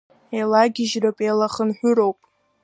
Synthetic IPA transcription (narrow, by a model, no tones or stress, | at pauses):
ejlaɡʲɪʒrɨpʼejlaχənħᶣʷʊɾowpʼ